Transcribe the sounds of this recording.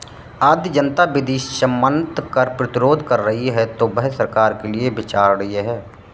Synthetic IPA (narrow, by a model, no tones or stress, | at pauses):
aːd̪d͡ʒənt̪abɪd̪iːʃʃəmːə̃nt̪kɐɾpɾɪt̪ɪɾoːd̪ʱkɐɾːɐɦiɦɛt̪obɛɦsəɾkaːɾkeliebɪt͡ʃaːɾɾɐɦieɦɛː